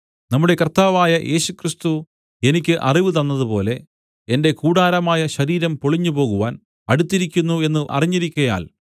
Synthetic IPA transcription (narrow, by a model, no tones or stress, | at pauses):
nɐmːuɽekɐrt̪aːʋaːjɐʔe̞ːɕukrist̪u | e̞nikʲːɨʔɐriʋɨt̪̬ɐnːɐðupo̞ːle̞ | ende̞kuːɽaːɾɐmaːjɐɕɐɾiːɾɐmpoɭiɲːupo̞ːɣuʋaːn | ɐɽut̪ːiɾikʲːunːue̞nːɨʔɐ̰riɲːiɾikʲːɐja̰ːl